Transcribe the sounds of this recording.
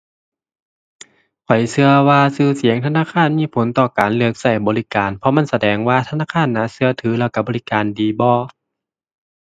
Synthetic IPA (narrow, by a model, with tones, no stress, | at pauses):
kʰɔ˨˩jsɯ˧ɐwaː˧sɯː˧˩si˨˩˦əŋt̪ʰa˧naː˧˥˨kʰaː˧˥˨nmiː˧˥˨pʰo˨˦nt̪ɔː˧˩kaː˨nlɯ˧ək̚sa˧˩jbɔː˨li˦˧˥kaː˨npʰɔ˧ma˧˥˨nsa˧dɛː˨˩ŋwaː˧t̪ʰa˧naː˧˥˨kʰaː˧˥˨nːa˧˥˨sɯ˧ɐt̪ʰɯː˨˦lɛː˧˩wka˧˩bɔː˨li˦˥kaː˨ndiː˨bɔː˧˦